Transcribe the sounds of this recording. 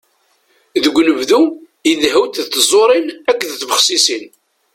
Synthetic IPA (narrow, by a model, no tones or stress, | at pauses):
ðəɡʷːnəvðu | iðhəwt̪ðθzˤoɾˤinækʷːðθvəχsisin